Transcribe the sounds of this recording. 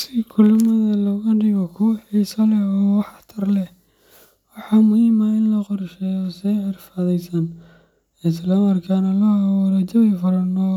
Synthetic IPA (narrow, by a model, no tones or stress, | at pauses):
sɪkʰʊlʊmɐðɐlɔːɣɐɖɪɣɔkʰʊwɐħisɐlɛɔːwɑħt̪ʰɐrlɛ | wɑħɑːmʊhiːmaɪnlɐqɔrʃɛjɔsɛʕɪrfaðɛjsɐn | ɪslɔmɐrkʰanɐlɔawɔɾɐt͡ʃɐβɛfɐɾɐnɔː